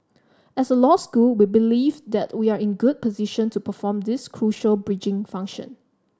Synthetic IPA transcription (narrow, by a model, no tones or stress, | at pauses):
ɛsəlɔskulwibilivdɛtwiaɹɪ̃nɡud̚pʰɔziʃə̃ntʰupəfɔ̃md̪ɪskʰɹuʃəlbɹid͡ʒɪ̃ŋfãŋkʃə̰̃n